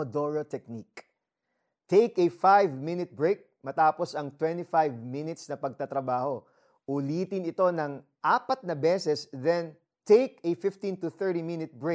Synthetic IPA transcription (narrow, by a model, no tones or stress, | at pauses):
od̪oɹot̪ɛk̚nik | t̪ejkɛfajvmɪnɪt̪̚bɹejk̚mɐt̪aːpo̞sɐŋt̪wɛ̃nt̪ifajvmɪnɪt̪snɐpɐɡ̚t̪ɐt̪ɾɐbaːho̞ | ʔʊliːt̪ɪnɪt̪o̞nɐŋ | ʔaːpɐt̪̚nɐbɛːsɛsðɛn | t̪ejk̚ɛfɪft̪ĩnt̪ʊθɛ˞ɾimɪnɪt̪̚bɹe